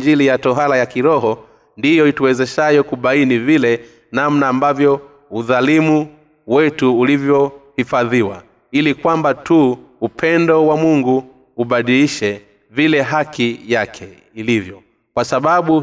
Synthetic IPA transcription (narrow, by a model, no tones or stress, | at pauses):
d͡ʒilijatɔɦalajakiɾɔɦɔ | ndijɔituwɛzɛʃajɔkuɓainivilɛ | namnaːmbavjɔ | uðalimu | wɛtuːlivjɔhifaðiwa̰ | ilikwambatuupʰɛndɔwamuŋɡuː | ɓaɗiliʃɛ | vilɛɦakijakʰɛ | ilivjɔ | kwasaɓaɓu